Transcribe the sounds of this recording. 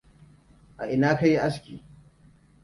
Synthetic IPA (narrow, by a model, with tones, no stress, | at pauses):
ʔa̰˨ʔɪ˨naː˦ka˦ji˦ʔa˦skʲiː˨